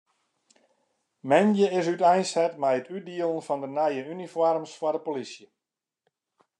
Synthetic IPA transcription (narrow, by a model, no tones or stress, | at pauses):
mɛnjəɪsytɛjnsɛtmɛjətʰydiəlˠənfɔndənɛjəynifɔrmsfwɔdəpolisjə